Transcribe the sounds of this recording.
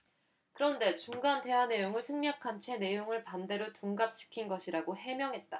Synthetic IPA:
kɯɾʌnde̞t͡ɕuŋɡande̞ɦane̞joŋɯɭsʰeŋɲakʰant͡ɕʰe̞ne̞joŋɯɭpande̞ɾotuŋɡap̚ɕ͈i̥kʰinɡʌɕʰiɾaɡoɦe̞mjʌŋɦe̞t̚t͈a

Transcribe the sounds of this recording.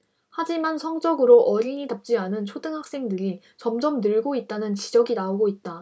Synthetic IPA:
had͡ʑimansʰʌŋd͡ʑʌɡɯɾoʔʌɾiɲitap̚t͡ɕ͈ianɯnt͡ɕʰodɯŋɦak̚s͈e̞ŋdɯɾi | t͡ɕʌmd͡ʑʌmnɯɭɡoit̚t͈anɯnt͡ɕid͡ʑʌɡinaoɡoit̚t͈a

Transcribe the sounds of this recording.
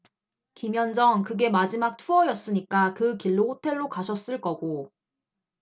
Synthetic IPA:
kimjʌnd͡ʑʌŋkɯɡe̞mad͡ʑimak̚tʰuʌjʌs͈ɯɲik͈akɯkiɭːohotʰe̞ɭːokaɕʰʌs͈ɯɭk͈ʌɡo

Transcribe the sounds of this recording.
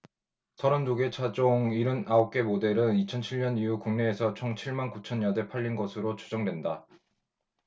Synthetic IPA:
sʰʌɾʌndoɡe̞t͡ɕʰad͡ʑoŋiɾɯnaop̚k͈e̞mode̞ɾɯnit͡ɕʰʌnt͡ɕʰiɭɲʌnijukuŋne̞ːsʰʌt͡ɕʰoŋt͡ɕʰiɭmankut͡ɕʰʌnjʌde̞pʰaʎːinɡʌsʰɯɾot͡ɕʰud͡ʑʌŋdwe̞nda

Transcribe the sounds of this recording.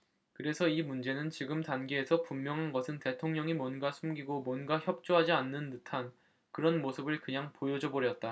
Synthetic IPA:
kɯɾe̞sʰʌimund͡ʑe̞nɯnt͡ɕiɡɯmtanɡeesʰʌpumjʌŋɦanɡʌsʰɯnte̞tʰoŋɲʌŋimwʌnɡasʰumɡiɡomwʌnɡaçjʌp̚t͡ɕ͈oɦad͡ʑianːɯndɯtʰan | kɯɾʌnmosʰɯbɯɭkɯɲaŋpojod͡ʑʌbʌɾjʌt̚t͈a

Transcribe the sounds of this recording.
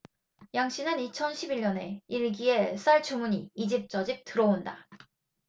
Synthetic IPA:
jaŋɕ͈inɯnit͡ɕʰʌnɕʰibiɭɲʌne̞iɭɡie̞s͈aɭt͡ɕʰumuɲiːd͡ʑip̚t͡ɕ͈ʌd͡ʑip̚t͈ɯɾʌonda

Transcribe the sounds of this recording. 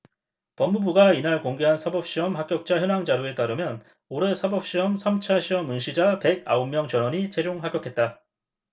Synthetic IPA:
pʌmːubuɡainaɭkoŋɡe̞ɦansʰabʌp̚ɕ͈iʌmɦak̚k͈jʌk̚t͡ɕ͈açjʌnɦaŋd͡ʑaɾjue̞t͈aɾɯmjʌn | oɾe̞sʰabʌp̚ɕ͈iʌmsʰamt͡ɕʰaɕʰiʌmɯnɕʰid͡ʑape̞ɡa̰omːjʌŋt͡ɕʌnʌɲit͡ɕʰe̞d͡ʑoŋɦak͈jʌkʰe̞t̚t͈a

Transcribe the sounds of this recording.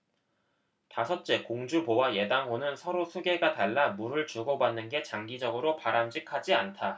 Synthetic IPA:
tasʰʌt̚t͡ɕ͈e̞koŋd͡ʑubowaje̞daŋɦonɯnsʰʌɾosʰuɡe̞ɡataɭːamuɾɯɭt͡ɕuɡobanːɯnɡe̞t͡ɕaŋɡid͡ʑʌɡɯɾopaɾamd͡ʑikʰad͡ʑiantʰa

